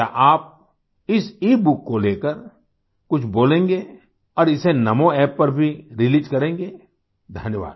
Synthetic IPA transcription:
a̰ʔaːp̚ | ɪsiːbʊkːoleːkəɾ | kʊt͡ʃʰboːlẽːŋɡe | ɔːɾɪsenɐmõɛːpːɐɾbʱiɾɪliːd͡ʒkɐɾẽːŋɡeː | d̪ʱɐnjəʋa̰ːd̪

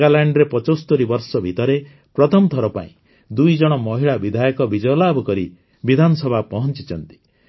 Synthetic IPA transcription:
ɡalaɳɖɾepɔt͡ʃost̪ɔɾibɔɾsɔbʱit̪ɔɾe | pɾɔt̪ʰɔmɔt̪ɔɾɔpa̰ḭ̃ | d̪ujd͡ʒɔɽ̃ɔmɔɦiɭabid̪ʱajɔkɔbid͡ʒɔjɔlabʱɔkɔɾi | bid̪ʱanɔsɔbʱapɔɦɔnt͡ʃit͡ʃɔnt̪i̥

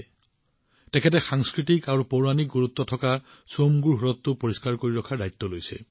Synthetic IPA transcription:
tɛkʰɛtɛxaŋskɹitikaɹupoɹanik̚ɡoɹut̪ːɔtʰɔka | somɡuɹɦɔɹɔt̪ːʊpoɹiskaɹkoɹiɹɔkʰadajt̪ːɔlojsɛ̰

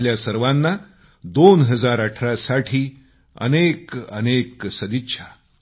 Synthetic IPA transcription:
ljasəɾʋanːa | d̪onɦəd͡zaɾəʈʰɾasaʈʰiː | ə̰nekə̰neksəd̪itːɕʰa

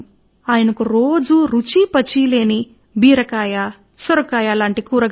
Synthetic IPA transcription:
aːjɐnɐkuɾoːd͡ʒuɾut͡ʃipɐt͡ʃile̞ːni | biːɾɐkaːja | sɐɾɐkaːjalaːɳʈikuːɾɐɡ

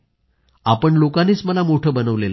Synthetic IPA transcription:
apəɳlokaniːt͡sməlamoʈʰəːbənəʋlel

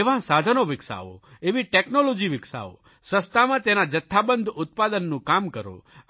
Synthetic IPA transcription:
ʋãsad̪ʱənoʋɪksa̰o̰eʋiʈeknolod͡ʒiʋɪksa̰o̰ | səst̪amãt̪enad͡ʒət̪ʰːabənd̪ʱʊt̪̚pad̪ənːũkamkəɾo̰

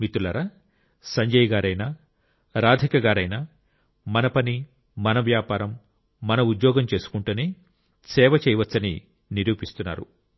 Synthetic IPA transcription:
mit̪ulɐɾɐ | sɐɲd͡ʒɐjɡaːɾɐjna | ɾaːd̪ʱikɐɡaːɾɐjna | mɐnɐpɐni | mɐnɐʋjaːpaːɾɐmː | ɐnɐud̪jɔːɡɐmt͡ʃe̞ːsu̥kuɳʈuːneː | sɛːʋɐt͡ʃɛjɐʋɐt͡ʃːsːɐnḭ | niɾuːpist̪unːa̰ːɾṵ

